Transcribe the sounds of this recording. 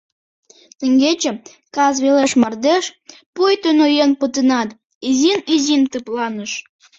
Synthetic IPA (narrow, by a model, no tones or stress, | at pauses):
t̪ə̆ŋɡet͡ɕĕ | kɑzβeleʃmɑrd̪eʃ | pujt̪ønojenpət̪ənɑt̪ | izinizint̪ɨplɑnəʃ